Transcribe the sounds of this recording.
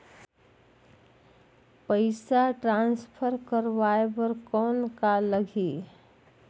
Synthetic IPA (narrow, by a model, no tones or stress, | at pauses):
pəɪsaʈɾãːnspʰəɾkəɾwaːebəɾkɔːnkaləɡʱiː